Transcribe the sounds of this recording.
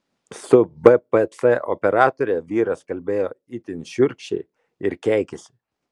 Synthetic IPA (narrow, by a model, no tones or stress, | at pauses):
sʊbɛpɛt̪sɛʔɔ̰pʲɛɾɑːt̪oɾʲɛʋʲiːɾɐskɐlʲbʲeːjoːɪt̪ʲɪnʲʃʲʊɾʲkʃʲɛ̰ɪ | ɪɾkʲæˑɪkʲɛsʲɪ̥